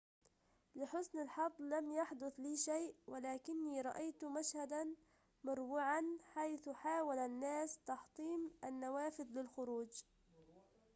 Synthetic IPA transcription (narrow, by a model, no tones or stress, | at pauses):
lɪħʊsnɪlħɑd̪ˤːlamjaħd̪ʊθliːʃajʔwɪlaːkɪnːiːɾˤɑʔajt̪maʃhad̪an | mʊɾˤbuːʕanħajθʊħaːwalanːaːst̪ɑħt̪ˤiːmʔanːawaːfɪðlɪlxʊɾuːd͡ʒ